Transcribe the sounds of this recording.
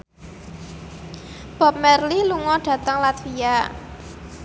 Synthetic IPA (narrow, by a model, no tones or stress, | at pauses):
b̥ɔ̤p̚mɛrliluŋɔɖ̥ä̤t̪əŋlat̪vija